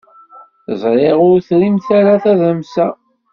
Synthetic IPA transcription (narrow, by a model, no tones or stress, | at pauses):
zˤɾˤeʁʊɾθɾimθaɾaθæðəmsæ